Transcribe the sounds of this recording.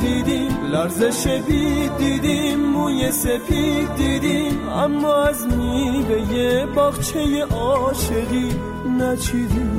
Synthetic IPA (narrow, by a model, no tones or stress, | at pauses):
d̪iːd̪imlæɾzeʃevid̪iːd̪imːujesefid̪iːd̪im | amːɔːæzmivejebɒːɣt͡ʃʰejeʔɔːʃeʁi | næt͡ʃʰid̪im